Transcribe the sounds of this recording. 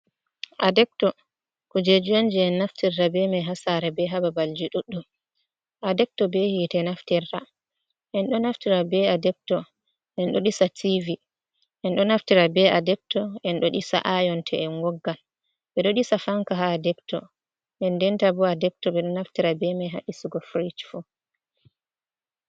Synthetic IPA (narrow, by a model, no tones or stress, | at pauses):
ʔadɛk̚tɔ | kɔd͡ʒed͡ʒujand͡ʒɛɛnːaftiɾːabɛmɛɦasaɾɛbɛɦababald͡ʒiɗuɗːɔ | ʔadɛk̚tɔbɛhitɛnaftirːa | ʔɛnɗɔnaftiɾabɛadɛp̚tɔ | ʔɛnɗɔɗisativi | ʔɛnɗɔnaftiɾabɛadɛb̚tɔɛnɗɔɗisa̰ʔajɔntʰɛɛnɡɔɡːal | ɓɛɗɔɗisafaŋkaɦadɛptɔ̰ | ʔɛndɛntabɔadɛp̚tɔɓɛɗɔnaftiɾabɛmɛjɦa̰ʔisuɡɔfɾit͡ʃfu